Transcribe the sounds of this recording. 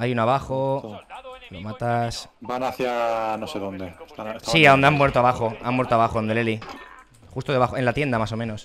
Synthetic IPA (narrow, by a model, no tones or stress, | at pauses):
ajunoaβaxo | lomat̪asbanaθjanoseðond̪et̪asiaðond̪amwe̞ɾt̪oaβaxoamːwe̞ɾt̪oaβaxoond̪eleli | xust̪oðe̞βaxoe̞nlat̪je̞nd̪amaso̞mẽno̞s